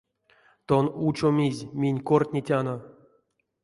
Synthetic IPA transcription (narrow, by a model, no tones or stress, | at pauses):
t̪onut͡ʃomʲizʲmʲinʲkortʲnʲitʲano